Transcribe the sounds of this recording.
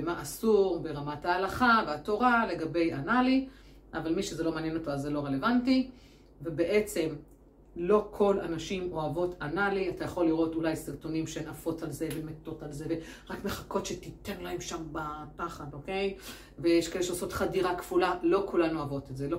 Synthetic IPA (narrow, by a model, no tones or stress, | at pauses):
maʔasuʁbe̞ʁamathaːlaχaveato̞ʁale̞ɡabe̞janali | ʔavalmiʃezelo̞maːnjeno̞toazːelo̞ʁele̞vanti | ve̞beʔet͡se̞m | lo̞kʰo̞la̰naʃimo̞avo̞tʰanaliatajaχo̞lːiʁo̞tulajsiʁto̞nimʃenafo̞t͡salze̞vemeto̞talzeveʁakme̞χako̞tʃetit̪enolaemʃambapaχado̞ke̞j | vejeʃkaeleʃeoso̞t̪χadiʁakv̥ulalo̞kulanuavo̞tezelo